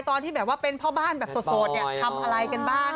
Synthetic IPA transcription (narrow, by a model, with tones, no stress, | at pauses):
t̪ɔː˧nt̪ʰiː˥˩bɛː˨˩waː˥˩pe˧npʰɔː˥˩baː˥˩nbɛː˨˩p̚so˨˩t̪soː˨˩t̪̚ni˨˩t̪ʰa˧mʔa˧ɾa˧jka˧nbaː˥˩ŋ